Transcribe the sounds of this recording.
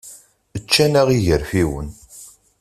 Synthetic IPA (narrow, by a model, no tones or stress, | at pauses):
ət͡ʃːænæʁiʝəɾfiwən